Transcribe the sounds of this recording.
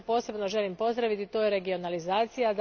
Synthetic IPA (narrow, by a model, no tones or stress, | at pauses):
po̞ːse̞bno̞ʒe̞limpo̞zd̪ɾaʋit̪it̪o̞ːjeɾe̞ɡio̞nalizaːt̪sijad̪